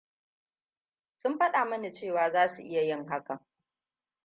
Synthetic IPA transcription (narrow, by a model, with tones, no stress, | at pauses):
sʊ˦mɸɐ˦ɗaː˨mɐ˦ni˨t͡ʃeː˦˨waː˨zaː˦su˨ʔɪ˦ja˨jɪ˦ŋɦa˦ka˨